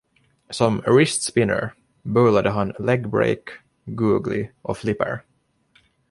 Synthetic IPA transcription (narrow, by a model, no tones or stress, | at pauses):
sɔmɾɪst̪spɪnə̰ɹ | bɵlad̪əɦanlɛɡbɾḛɪk | ɡʉːɡlɪ̰ʔɔflɪpə̰ɹ